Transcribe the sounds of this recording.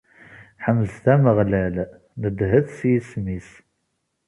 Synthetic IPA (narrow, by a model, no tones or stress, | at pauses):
ħəmzθæməʁlæl | nəd̪ɦəθsjismis